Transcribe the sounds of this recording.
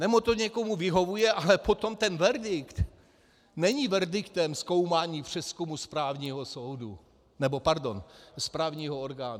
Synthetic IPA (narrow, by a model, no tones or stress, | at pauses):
nɛmot̪o̞ɲɛko̞muvɪɦo̞vujɛʔalɛpo̞t̪o̞mt̪ɛnvɛɾdɪkt̪ | nɛɲivɛɾdɪkt̪ɛmsko̞wmaːɲiːpr̝̥ɛskumuspɾaːvɲiːɦosowdu | nɛbo̞paɾdo̞nspɾaːvɲiːɦooɾɡaːn